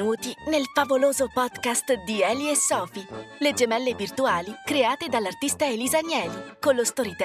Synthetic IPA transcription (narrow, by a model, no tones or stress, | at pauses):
uːt̪inelfavoloːzopɔd̪kast̪d̪iɛːliesːɔːfiled͡ʒemɛlːevirt̪uaːlikɾeaːt̪ed̪alːart̪ist̪aelizanjɛːlikonlost̪oɾit̪